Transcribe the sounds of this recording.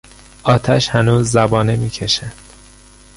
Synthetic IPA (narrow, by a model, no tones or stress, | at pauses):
ʔɒːt̪ʰæʃhænuːzːæbɒːnemiːcʰeʃænd̪̥